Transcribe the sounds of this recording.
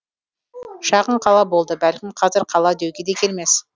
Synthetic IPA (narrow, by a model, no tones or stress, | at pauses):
ʃɑʁəɴqʰɑlˠɑbo̞lˠd̪əbælkʲɪmqʰɑzɪɾqʰɑlˠɑd̪ewɡʲe̞d̪e̞kʲʰe̞lme̞s